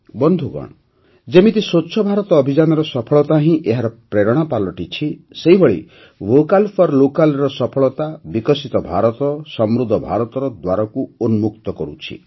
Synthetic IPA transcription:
bɔnd̪ʱuɡɔ̰ɽ̃ɔ | d͡ʒemit̪isotːʃʰɔbʱaɾɔt̪ɔːbʱid͡ʒanɔɾɔsɔpʰɔɭɔt̪aɦĩʔeɦaɾɔpɾeɾɔɽ̃apalɔʈit͡ʃʰiseɦibʱɔɭḭ | ʋokalpʰɔɾlokalɾɔsɔpʰɔɭɔt̪abikɔsit̪ɔbʱaɾɔt̪ɔsɔmɾud̪ʱːɔbʱaɾɔt̪ɔɾɔd̪waɾɔkuonmuk̚t̪ɔkɔɾṵt͡ʃʰḭ

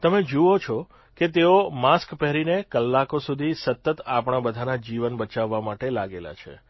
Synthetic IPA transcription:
t̪əmed͡ʒuot͡ʃʰɔ | ket̪̬eomaskpɛɦɾinekəlːakosud̪ʱisət̪ːət̪apɳ̃abəd̪ʱanad͡ʒiʋənbət͡ʃaʋːamaʈelaɡela̰t͡ʃʰḛ

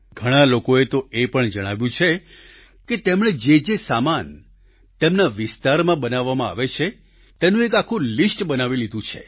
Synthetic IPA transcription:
ɡʱəɽ̃alokoet̪oepəɳd͡ʒəɽ̃aʋjũt͡ʃʰe | ket̪emɽ̃ed͡ʒed͡ʒesaman | t̪emnaʋɪst̪aɾmãbənaʋːamãa̰ʋet͡ʃʰe | t̪enũekakʰũlisʈbənaʋilid̪ʱũt͡ʃʰḛ

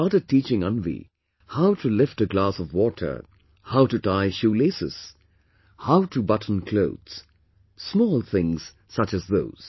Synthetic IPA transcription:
ɑɾɨtit͡ʃɪ̃ŋʌ̃nvḭ | haʊtʰɨlɪftɨɡlasʌvwɔɾʰə̰˞ | haʊtɨtʰaɪʃulesɨ̰z̥ | haʊtʰɨbʌtn̩kʰl̥oʊdz̥ | smɔːlˠθɪ̃ŋz̥ | sʌt͡ʃɨzðoʊz̥

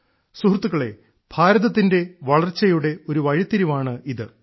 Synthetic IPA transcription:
suɦrt̪ːuɣɐɭe̞̰ | b̥ʱaːɾɐðɐt̪̬ːinde̞ʋɐɭɐrt͡ɕːɐjuɽe̞o̞ɾuʋɐɻit̪ːiɾumaːɳɨiðɨ

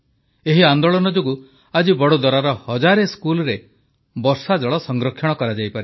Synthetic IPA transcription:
eɦiand̪oɭɔnɔd͡ʒoɡu | ad͡ʒibɔɽod̪ɔɾaɾɔhɔd͡ʒaɾeskulɔɾe | bɔɾsad͡ʒɔɭɔsɔŋɡɾɔkʰːjɔɽ̃ɔkɔɾad͡ʒajpaɾi

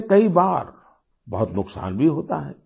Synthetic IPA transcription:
kɐibaːɾ | bɐɦʊt̪nʊksa̰ːnbʱiɦoːt̪a̰ɦɛ̰ː

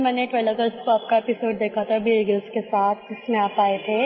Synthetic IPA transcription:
mɛːneʈʋeːləɡəɾskoaːp̚kaepɪsoːɖd̪eːkʰat̪ʰabʱiɾiɡəlskesaːt̪ʰʊsmẽaːpaːet̪ʰeː

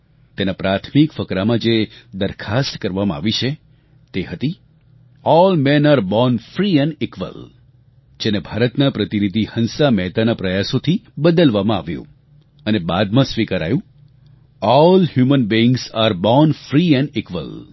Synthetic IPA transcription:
t̪enapɾat̪ʰmikfəkɾamãd͡ʒed̪əɾkʰast̪kəɾʋamãa̰ʋit͡ʃʰe | t̪eɦət̪i | ɔlmẽnaɾbɔnfɾiɛ̃nɖɪkʋə̰l | d͡ʒenebʱaɾət̪napɾət̪inid̪ʱihənsamɛɦt̪anapɾəjasot̪ʰibəd̪əlʋamãa̰ʋjṵ̃ | ənebad̪mãsʋikaɾa̰jũ | ɔlhjumənbiɪŋɡzaɾbɔnfɾiɛ̃ɳɖɪkʋə̰l

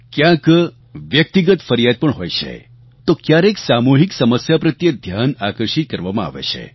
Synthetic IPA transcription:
kjãk | ʋjək̚t̪iɡət̪fəɾjad̪̚pəɳɦojt͡ʃʰḛ | t̪okjaɾeksamuɦiksəməsjapɾət̪jəd̪ʱjanakəɾʃit̪̚kəɾʋamãa̰ʋḛt͡ʃʰḛ

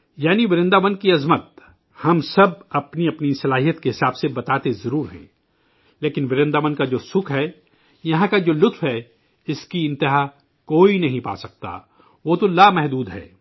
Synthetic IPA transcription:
jaːniʋɪɾɪ̃nd̪aːʋənkiɐzmət̪̚ | hɐmsɐbɐpniɐpnisɐlaːɦijət̪keɦɪsaːbsebɐt̪aːt̪ezɐɾuːɾɦɛ̰̃ː | leːkɪnʋɪɾɪ̃nd̪aːʋənkad͡ʒoːsʊkʰɦɛː | jɐɦãkad͡ʒoːlʊt̪fɦɛ | ɪskiɪ̃nt̪ɪɦa | koːinɐɦĩpa̰ːsɐk̚t̪a̰ː | ʋoːt̪olaːmɛɦd̪uːd̪ɦɛ̰ː

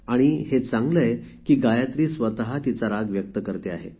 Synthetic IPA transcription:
aɽ̃ihet͡sãŋɡləjekiːɡajat̪ɾiːsʋət̪aɦat̪it͡saɾaɡʋjək̚t̪əkəɾt̪eaɦe

